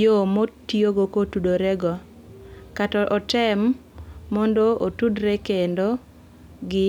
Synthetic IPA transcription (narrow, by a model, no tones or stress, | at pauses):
omotioɡokotudoɾɛɡɔ | katɔʔɔtɛmː | ɔndootudɾekendo | ɡɪ